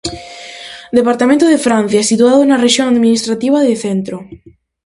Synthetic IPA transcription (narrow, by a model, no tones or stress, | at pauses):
d̪epaɾt̪amẽnt̪oðefɾãn̟θjaɛsit̪uaðonareʃjoŋaðminist̪ɾat̪iβ̞aðeθent̪ɾo